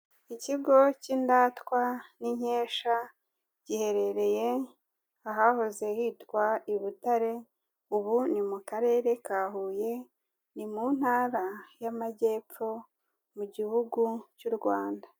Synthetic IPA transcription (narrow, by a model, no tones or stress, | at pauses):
iciɡo̞cindaːtkwaniɲe̞ːʃa | ɟ̥ihe̞ɾe̞ɾe̞je | aɦahoze̞hitkwaiβutaɾe̞ | uβunimukaɾe̞ːɾe̞kaːɦuːje̞ | nimun̥haːɾajamaɟe̞ːpp͡fo̞ | muɟihuɡucuɾɡwaːnda